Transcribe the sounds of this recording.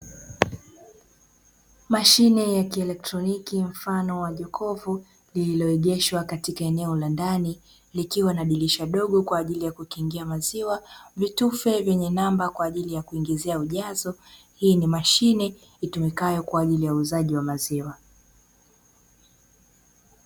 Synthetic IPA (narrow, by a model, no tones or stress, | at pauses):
maʃinɛjakiɛlɛk̚tɾɔnikim̩fanɔwaʄɔkʰɔvu | lililɔɛʄɛʃwakatikaɛnɛɔlandani | likiwanaɗiliʃaɗɔɠɔkwaːʄilijakukiŋɡiamaziwavitufɛvjɛɲɛnambakwaːʄilijakuiŋɡizɛauʄazɔ | hiːnimaʃinɛ | itumikajɔkwaːʄilijauzaʄiwamaziwa